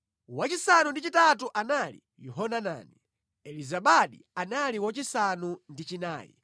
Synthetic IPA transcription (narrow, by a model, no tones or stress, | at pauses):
wat͡ʃisanundit͡ʃitatuʔanalḭ | jɔɦɔnana̰ːni | ɛlizaɓaɗi | analiwat͡ʃisanundit͡ʃina̰ːjḭ